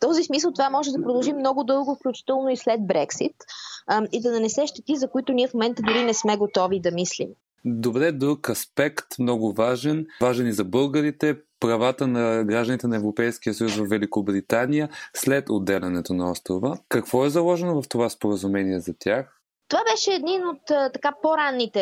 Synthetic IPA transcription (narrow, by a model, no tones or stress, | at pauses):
t̪ɔzismisəlˠt̪ovamɔʒɛd̪ɐpɾoʊd̪ɐlˠʒimnɔɡʊd̪ɤlˠɡʊfklʲut͡ʃi̥t̪ɛlˠnoislɛd̪̚bɾɛksit̪ | id̪ɐnɐnɛsɛʃt̪ɛt̪izɐkʊit̪ʊniɛfmomɛnt̪əd̪ʊɾinɛsmɛɡot̪ɔvid̪ɐmislḭm | d̪ovɛd̪ɛd̪ɾukɐspɛkt̪mnɔɡʊvaʒɛnvaʒɛnizɐbɤlˠɡəɾit̪ɛpɾɐvat̪ənɐɡɾaʒd̪ənit̪ɛnɐɛvɾopɛjsk̟ijəsəjusvɐfvɛlikobɾit̪anijəslɛt̪od̪ːɛlɛnɛt̪onɐɔst̪ɾovəkɐkvɔɛzɐlˠɔʒɛnovɐft̪ovaspoɾəzumɛniɛzɐt̪ʲjax | t̪ovabɛʃɛːd̪ninot̪t̪ɐkapoɾanːit̪ɛ